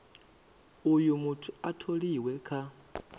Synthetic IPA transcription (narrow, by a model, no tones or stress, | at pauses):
ujumutʰu̥atʰoliwɛkʰa